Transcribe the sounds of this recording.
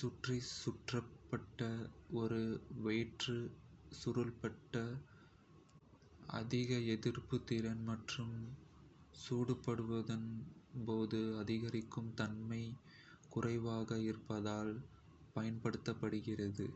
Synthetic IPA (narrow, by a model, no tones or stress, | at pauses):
sʊʈrisʊʈrɐpːɐʈːɐɔɾɯʋeːʈrɯsʊɾɯlpɐʈːɐ | ɐ̰ðɪɣɐɛðɪrpɯt̪ːɪɾɐnmɐʈrɯm | suːɽɯpːɐɽɯʋɐðɐnpoːðɯɐðɪɣɐɾɪkːɯmt̪ɐnmɐɪ | kʊrɐɪʋaːɣɐɪrpɐðaːl | pɐjɐnpɐɽɯt̪ːɐpːɐɽɯɣɪrɐðɯ